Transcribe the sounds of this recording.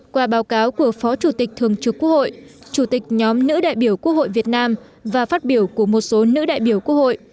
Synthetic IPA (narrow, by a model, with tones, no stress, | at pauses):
kwaː˧˩ɓaː˨˦wkaː˨˦wku˧˩əfɔ˨˦t͡ɕu˧˩t̪ï˨˩k̚t̪ʰɨ˨˩əŋt͡ɕɨ˨˩kːu˦˥ək̚ho̰˧˨jʔt͡ɕu˧˩t̪ï˨˩k̟̚ɲɔ˨˦mnɨ̰˧˥ɗa̰ː˧˨jɓi˧˩əwku˦˥ək̚ho̰˧˨jvi˨˩ət̚naː˧m | vaː˨˩faː˦˥t̚ɓi˧˩əwku˧˩əmo˨˩t̚so˨˦nɨ̰˧˥ɗa̰ː˧˨jɓi˧˩əwku˦˥ək̚ho̰˧˨jʔ